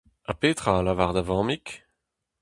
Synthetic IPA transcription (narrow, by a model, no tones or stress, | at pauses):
apeːt̪χaːlavaʁd̪avɑ̃ːmik